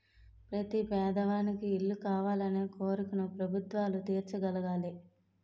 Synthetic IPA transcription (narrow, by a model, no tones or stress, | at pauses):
pɾɐt̪ipɛːd̪ɐʋaːnikiːlːukaːʋaːlɐneːkoːɾukunupɾɐbʱut̪ʋaːlut̪iːɾt͡ʃuɡɐlɐɡaːli